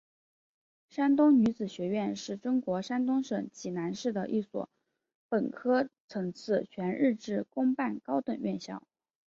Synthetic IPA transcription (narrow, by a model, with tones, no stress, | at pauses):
ʂa˥nt̪ʊ˥ŋny˧˥t͡sɹ̩˨˩ɕɥɛ˧˥ɥɛ˥˧nʂɻ̩˥˩ʈ͡ʂʊ˥ŋkwɔ˧˥ʂa˥nt̪ʊ˥ŋʂɤ˨˩ŋt͡ɕi˨˥˩na˧˥nʂɻ̩˥˩d̪ə˩ʔi˥˩swɔ̰˨˧˥ | pə˨˩nkʰɤ˥t͡sʰɤ˧˥ŋt͡sʰɹ̩˥˩t͡ɕʰɥɛ˧˥nɻɻ̩˥˧ʈ͡ʂɻ̩˥˩kʊ˥ŋpa˥˩nkɑ˥ʊt̪ə˨˩ŋɥɛ˥˧nɕjɑ̰˥˩ʊ